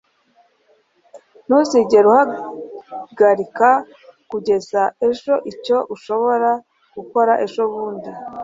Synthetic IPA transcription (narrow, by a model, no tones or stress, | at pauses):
nusiɟe̞ɾuha | ɡaɾika | kuɟe̞zae̞ʒo̞ʔico̞ʔuʃo̞βo̞ɾa | ɡ̥uko̞ɾaʔe̞ʒo̞βuːndi